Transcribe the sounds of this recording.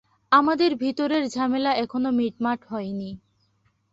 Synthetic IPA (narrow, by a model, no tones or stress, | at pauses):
amad̪eɾbʱit̪oɾeɾd͡ʑʱamelaɛkʰonomiʈmaʈɦɔeni